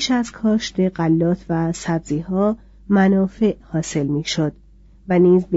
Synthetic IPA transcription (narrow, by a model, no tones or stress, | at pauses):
ʃæzkʰɒːʃt̪eɢælːɒːt̪ʰvæsæbziːhɒː | mænɒːfe̞ʔhɒːse̞lmiːʃod̪̥ | væniːzb